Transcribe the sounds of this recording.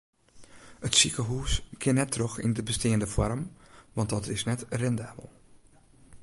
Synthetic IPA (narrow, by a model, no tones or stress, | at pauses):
ətsikəɦuːskʰɪnɛtʰːroxḭndəbəsteːəndəfɔrmʋɑnt̚dɔtɪsnɛtrɛndaːbə̰lˠ